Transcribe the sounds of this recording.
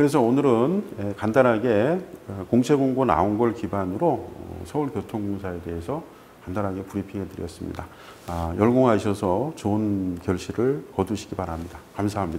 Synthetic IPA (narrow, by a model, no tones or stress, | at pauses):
kɯɾe̞s̬ʰʌnɯɾɯnekandaɾɦaɡe̞koŋt͡ɕʰe̞ɡoŋɡona̰onɡʌɭkibanɯɾoʌ̰sʰʌuɭpjotʰoŋɡoŋsʰae̞de̞ɦesʰʌ | kandaɾɦaɡe̞puɾipʰiŋɦe̞tɯɾjʌ̰s͈ɯmɲḭda | jʌɭɡoŋɦaɕʰʌsʰʌt͡ɕonkjʌɭɕʰiɾɯɭkʌduɕʰi̥ɡipaɾamɲidakamsʰaɦamɲida